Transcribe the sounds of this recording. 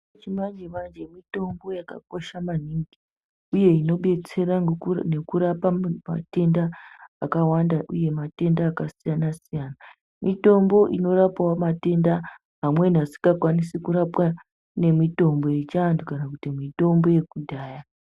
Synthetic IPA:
t͡ʃimand͡ʒeʋand͡ʒe̞mito̞mbo̞jaka̰ko̞ʃamaniŋɡi | uje̞ino̞ɓe̞t͡se̞ɾane̞kuɾapama̰te̞ndaːkawandaʔuje̞mate̞ndaːkasijanasijana | mito̞mbo̞ʔino̞ɾapawamate̞nda | ɦamwe̞n̤asi̥ŋɡakwanisikuɾapwa | ne̞mito̞mbo̞je̞t͡ʃandukanakutimito̞mbo̞je̞kudʱaːja

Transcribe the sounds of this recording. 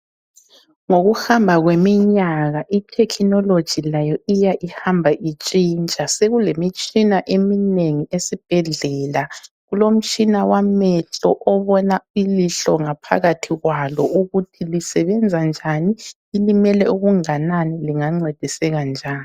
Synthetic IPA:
ŋoɣuhambʱaɣwemiɲaɣaʔitʰɛkʰinɔlod̥ʒ̥ʱilajɔʔijaʔihambʱaʔit͡ʃʼint͡ʃʼaseɣulemit͡ʃʼinaʔemineŋiesib̥ʱɛɮɛla | ɣulom̩t͡ʃʼinawamɛɬɔʔɔβɔnailiɬɔŋapʰa̰ɣatʰiɣwalɔʔuɣutʰilisɛβɛnd͡zʱand͡ʒʱaniː | limɛlɛuɣuŋananiliŋaŋ͡ǀed̥ʱisɛɣand͡ʒʱaːni

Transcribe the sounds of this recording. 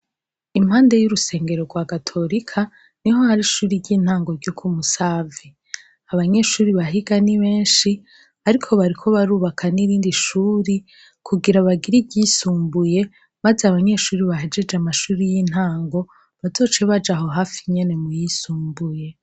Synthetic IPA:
im̥haːnde̞juɾuse̞ːŋɡe̞ɾo̞ɡwaːɡatʰo̞ɾikʰa | niɦo̞haɾiʃuːɾiɾɟiːn̥haːŋɡo̞ɾɟokʰumusaːvi | aβaɲe̞ʃuːɾiβaɦiɡaniβe̞ːnʃi | aɾikʰo̞βaɾikʰo̞βaɾuːβakʰaniɾiːndiʃuːɾi | kʰuɡiɾaβaɡiɾibɟisuːmbuje̞ | mazeaβaɲe̞ʃuːɾiβaɦe̞d͡ʒe̞d͡ʒeamaʃuːɾijiːn̥haːŋɡo̞ | βazo̞ːt͡ʃeβad͡ʒaɦo̞ɦaːfiɲe̞ne̞mujisuːmbuje̞

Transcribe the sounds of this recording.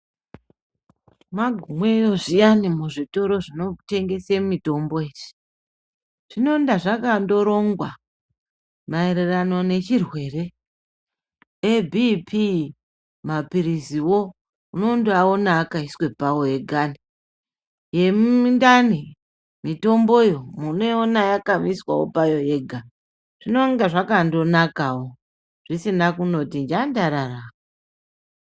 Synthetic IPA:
maɡʱumwe̞jo̞ʐijanimuʐito̞ɾo̞ʐino̞te̞ŋɡe̞semito̞mboeːʐi̥ | ʐ̥ino̞ndaʐakando̞ɾo̞ŋɡwa | maeɾerano̞ne̞t͡ʃirwe̞re̞ | ebʱipʰi | mapiɾiziwo | uno̞nduao̞naːkaiswe̞pawoje̞ɡʱani | je̞mndani | mito̞mbo̞jo̞muneonajakamiswa̰wo̰pajo̞je̞ɡʱa | ʐ̥ino̞ŋɡaʐakando̞nakawo̞ | ʐ̥isinakuno̞tind͡ʒandaɾaraa

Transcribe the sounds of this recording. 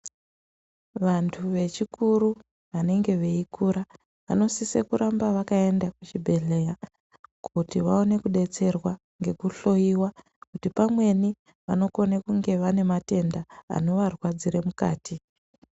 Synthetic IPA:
ʋantʰuʋe̞t͡ʃikuɾu | ʋane̞ŋɡe̞ʋeikuːɾa | ʋa̰no̞sisekuɾambaʋakae̞ndakut͡ʃibʱe̞ɮe̞ja | kʰutiʋao̞ne̞kuɗe̞t͡se̞rwa | ŋɡe̞kuɬo̞jiwa | kutipamwe̞ni | ʋano̞ko̞nekuŋɡe̞ʋane̞mate̞nda̰ːno̞ʋarwad͡ziremuka̰ːtʰi

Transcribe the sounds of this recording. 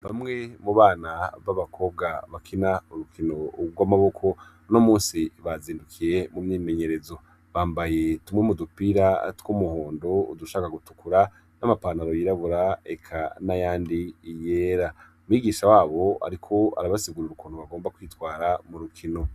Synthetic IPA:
βamŋe̞muβaːnaβaβakʰo̞b̚ɡaβakʰinauɾukʰino̞ɡwamaβo̞kʰo̞ | no̞muːnsiβaziːndukʰije̞mumɲiːme̞ɲe̞ɾe̞zo̞ | βaːmbaje̞tumŋemudupiɾatwumuhoːndoṵduʃaːkaɡutu̥kuɾa | namapanaɾojiɾaβuɾaekʰanajaːndiːje̞ːɾaumwiːɡiːʃawaːβo̞a̰ɾikʰo̞a̰ɾaβasiɡuɾuɾukunoβaɡo̞ːmbakwiːtwaːɾamuɾukʰino̞

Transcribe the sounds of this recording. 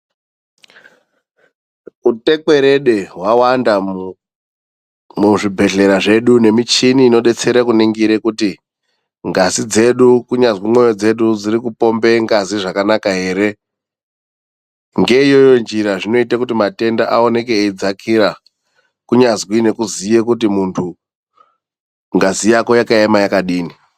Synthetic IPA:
ute̞ke̞ɾe̞ɗe̞ɦwawanda | muʐibʱe̞ɮe̞ɾaʐe̞ɗune̞mit͡ʃiniːno̞ɗe̞t͡se̞ɾakuniŋɡiɾekuti | ŋɡazid͡ze̞ɗukuɲazwimo̞jo̞d͡ze̞ɗud͡ziɾikupo̞mbe̞ŋɡaziʐakanakaɦe̞ːɾe̞ | ŋɡe̞ijo̞jo̞nd͡ʒiɾaʐino̞itakutimate̞ndaʔao̞ne̞keːd͡zakʰiɾa | kuɲazwine̞kuzijekutimuntʰu | ŋɡazijako̞jakaemajakaɗiːni

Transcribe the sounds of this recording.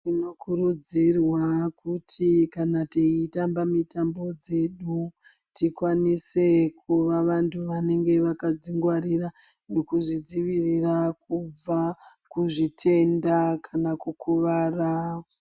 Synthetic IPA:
tino̞kʰurud͡zirwakutʰikanateitambamitambo̞d͡ze̞ɗu | tikwanise̞kuʋaʋantʰuʋane̞ŋɡe̞ʋakad͡ziŋɡwaɾira | ne̞kuʐid͡ziʋirirakub͡vakuʐitʰe̞ndakʰanakukuʋaːra

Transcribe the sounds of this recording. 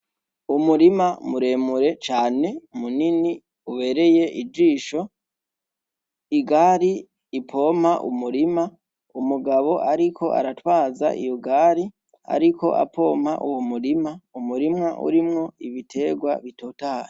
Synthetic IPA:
umuɾimamuɾe̞muɾe̞t͡ʃaːne̞munini | uβe̞ːɾe̞je̞ʔid͡ʒiːʃo̞ | iɡaɾiː | pʰo̞ːm̥haʔṵmuɾima | umuɡaβo̞ʔaɾikʰo̞ʔa̰ɾatwaːza̰ʔḭjoɡaɾi | a̰ɾiko̞̰ʔa̰pʰo̞ːmha̰ʔuwomuɾimaumuɾimŋaʔṵɾimŋo̞iβitʰe̞ɡwa̰βitotaɾe

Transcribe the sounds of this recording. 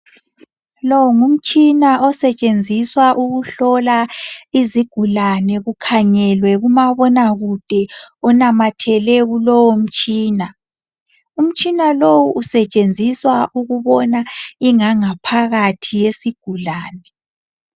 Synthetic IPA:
lɔwŋum̩t͡ʃʼinaʔɔsɛt͡ʃʼend͡zʱiswaʔuɣuɬɔlaiziɡ̥ʱulanɛɣukʰaɲɛlwɛɣumaβɔnaɣud̥ʱɛɔnamatʰɛlɛɣulɔwɔm̩t͡ʃʼiːna | um̩t͡ʃʼinalowuːsɛt͡ʃʼend͡zʱiswaʔuɣuβɔnaiŋaŋapʰaɣatʰijesiɡ̥ʱulaːnɛ

